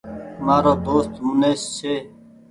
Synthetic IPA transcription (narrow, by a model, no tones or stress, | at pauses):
maːɾoːd̪oːst̪ɦũːneːsseː